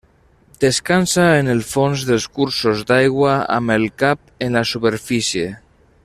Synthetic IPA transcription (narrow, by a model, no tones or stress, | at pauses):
d̪eskansaenelˠfonzðelˠskuɾsozd̪ajɣwaa̰melˠkap̚enlasupeɾfisje